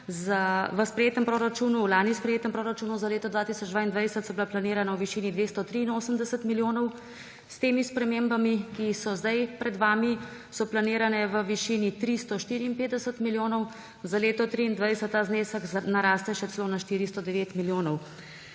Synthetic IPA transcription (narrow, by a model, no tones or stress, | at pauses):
zaʋəspɾɛjeːt̪əmpɾoːɾat͡ʃuːnulaːnispɾɛjeːt̪əmpɾoːɾat͡ʃuːnuzaleːt̪ɔd̪ʋaːt̪isɔd͡ʒd̪ʋaːind̪ʋajsət̪sɔbilaplaniːɾanawʋiʃiːnid̪ʋeːst̪ɔt̪ɾiːnoːsəmd̪ɛsət̪miljoːnɔw | st̪eːmispɾɛmembamikisɔzd̪ajpɾɛd̪ʋaːmisɔplaniːɾanɛʋəʋiʃiːnit̪ɾist̪ɔʃt̪iːɾiːmpeːd̪d̪ɛsət̪miljoːnɔw | zaleːt̪ɔt̪ɾiːnd̪ʋajsət̪ːaːzneːsəknaɾaːst̪ɛʃɛsɛloːnaʃt̪iːɾist̪ɔd̪ɛʋeːt̪miljoːnɔw